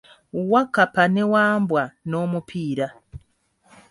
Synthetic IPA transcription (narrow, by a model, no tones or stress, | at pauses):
wakapanewaːmbwano̞mupʰiːɾa